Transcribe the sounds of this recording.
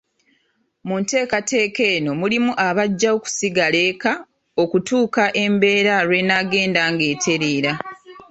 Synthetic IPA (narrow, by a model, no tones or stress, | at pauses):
munte̞ːkate̞ːke̞ːno̞mulimuʔaβaɟːaoku̥siɡale̞ːka | o̞kutuːkaʔe̞mbe̞ːɾaɾwe̞naɡe̞ːndaŋɡe̞ːtʰe̞ɾiːɾa